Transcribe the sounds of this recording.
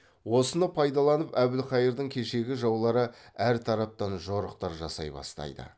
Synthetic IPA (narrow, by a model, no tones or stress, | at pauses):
wo̞sənəpʰɑjd̪ɑlˠɑnəpæbɪlχɑjəɾd̪əŋkʲʰe̞ʃe̞ɡʲɪʒɑwlˠɑɾəæɾt̪ʰɑɾɑp̚t̪ɑnʒoɾəq̚t̪ɑɾʒɑsɑjbɑ̰st̪ɑ̰jd̪ə̰